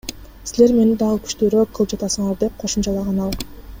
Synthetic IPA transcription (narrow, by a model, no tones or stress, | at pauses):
sile̞ɾme̞nid̪ɑʁɯky̥ʃt̪øːɾøk̚qʰːɯlˠɯp̚d͡ʒɑt̪ɑsɯɴɑɾd̪e̞p̚qʰo̞ʃumt͡ʃɑlˠɑʁɑnɑlˠ